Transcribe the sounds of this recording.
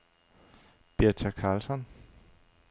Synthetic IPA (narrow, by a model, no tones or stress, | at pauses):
b̥eɐt͡sʰækʰɑ̈ːlsɒn